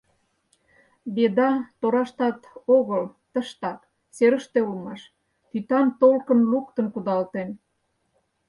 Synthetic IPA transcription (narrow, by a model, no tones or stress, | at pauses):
bed̪ɑt̪oɾɑʃt̪ɑt̪oɣəlt̪əʃt̪ɑk | seɾə̆ʃt̪eulmɑʃ | t̪yt̪ɑmt̪olkə̆nlukt̪ənkud̪ɑlt̪en